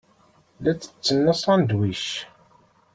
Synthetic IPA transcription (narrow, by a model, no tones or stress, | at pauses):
læt͡sːə̥t͡sːənːəsˤɑnd̪wiʃ